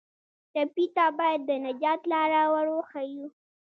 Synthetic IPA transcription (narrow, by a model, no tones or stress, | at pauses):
t̪apit̪abɑjad̪ːənad͡ʒɑt̪lɑɾawaɾoxaju